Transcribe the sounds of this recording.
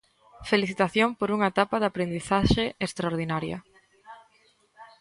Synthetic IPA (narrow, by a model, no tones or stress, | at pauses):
feliθit̪aθjompoɾuŋɐet̪apaðapɾend̪iθaʃeekst̪ɾaoɾð̞inaɾjɐ̰